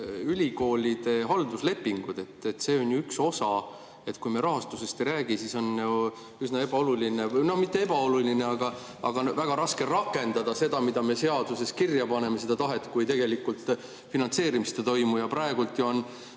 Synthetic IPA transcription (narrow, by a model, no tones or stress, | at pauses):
ylʲiko̞ːlʲid̪̥e̞ɦɑld̪usle̞pːiŋɡ̥ud̪̥e̞t̪ːet̪ːse̞ːo̞nʲjuykso̞sɑ | et̪ːˑkujmeɾɑɦɑst̪use̞st̪eɾæːɡ̥isiso̞nju | ysnɑe̞b̥ɑo̞luline̞nomit̪ːeeb̥ɑo̞luline̞ɑɡ̥ɑ | ɑɡ̥ɑvæɡ̥ɑɾɑske̞rɑkːˑe̞nd̪̥ɑd̪ɑse̞d̪̥ɑmid̪̥ɑme̞se̞ɑd̪use̞skirjɑpɑne̞mese̞d̪ɑt̪ɑɦe̞t̪ːˑkujt̪e̞ɡe̞likːult̪ˑ | finɑnt̪se̞ːɾimist̪et̪o̞jmujɑprɑeɡ̥ult̪ːjuon